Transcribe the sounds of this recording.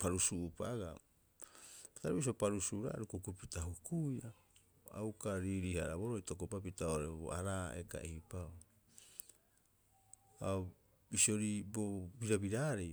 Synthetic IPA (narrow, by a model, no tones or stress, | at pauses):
paɾusuʔupaɡa | ataɾebis̬iopaɾusuɾa̰ɾukukupitaɦukuja | a̰wkaɾiɾihaɾabo̞ɾojtokopap̬itaoɾebo̰aɾaeka̰ʔehipao | a | bisio̞ɾibobiɾabiɾaɾe